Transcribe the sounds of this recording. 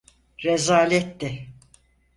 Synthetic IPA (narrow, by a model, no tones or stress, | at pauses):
ɾɛzaːlʲɛt̪ːɪ